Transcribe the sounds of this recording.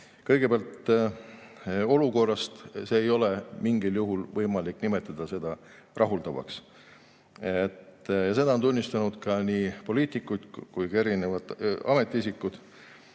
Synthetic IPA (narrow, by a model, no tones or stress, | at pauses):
kɤjɡ̥e̞beɑlt̪ | o̞luko̞rːɑst̪se̞ːjo̞le̞miŋɡiljuɦulvɤjmɑliknime̞t̪ːˑɑd̪̥ɑse̞d̪̥ɑ | rʔɑɦuld̪̥ɑvɑ̰ks | et̪ːjɑse̞d̪ɑont̪unʲːist̪ɑnud̪̥kɑniːpo̞liːt̪ikːujd̪̥kujkɑe̞ɾinevɑt̪ɑ̰me̞t̪ːˑiisikːˑud̪̥